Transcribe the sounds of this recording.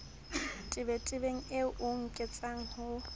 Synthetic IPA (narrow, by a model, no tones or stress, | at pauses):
tʼɪbɛtʼɪbeŋ̩eʊŋ̩kʼɪt͡sʼaŋ̩hʊ